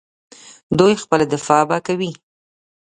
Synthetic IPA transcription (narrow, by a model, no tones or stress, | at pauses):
d̪ujxpəlad̪ɪfɑbakawi